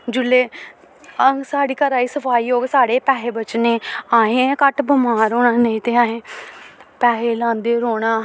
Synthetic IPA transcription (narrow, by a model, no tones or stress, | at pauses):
d͡ʒʊlːeː | əŋɡsaːɽiːkəɾaːiːsəpʰaːiːɦoːʋeːsaːɽeːpɛːɦeːbət͡ʃneːaːɦẽːkəʈbʊmaːɾoːnaːnəĩːt̪eːaːɦẽː | pɛːɦeːlãːnd̪eːɾoːɽ̃aː